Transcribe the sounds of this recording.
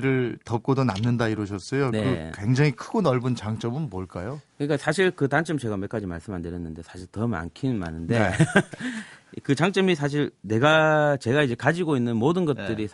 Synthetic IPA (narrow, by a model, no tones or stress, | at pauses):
ɾɯɭtʌp̚k͈odonamnːɯndaiɾwʌɕʰʌs͈ʌjoneɯkwe̞ŋd͡ʑaŋikʰɯɡonʌɭbɯnt͡ɕaŋt͡ɕ͈ʌmɯnmoɭk͈ajokɯɲik͈asʰaɕʰiɭkɯtant͡ɕ͈ʌmt͡ɕe̞ɡame̞k͈ad͡ʑima̰ɭs͈ɯmɦandɯɾjʌnːɯnde̞sʰaɕʰiɭtʌma̰nkʰima̰nɯnde̞ | kɯt͡ɕaŋt͡ɕ͈ʌmisʰaɕ̬ʰiɭne̞ɡat͡ɕe̞ɡaid͡ʑe̞kad͡ʑiɡoinːɯnmodɯnɡʌt̚t͈ɯɾis